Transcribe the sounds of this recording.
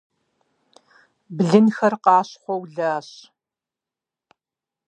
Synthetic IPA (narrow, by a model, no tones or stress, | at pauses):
bɮɨnxɐrqɑːɕχʷɔwɮaːɕ